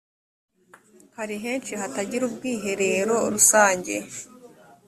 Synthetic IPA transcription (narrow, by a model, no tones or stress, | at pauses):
haɾiɦeːnt͡ʃihataɟiɾub̚ɡiːɦe̞ɾe̞ːɾo̞ɾusaːɲɟe̞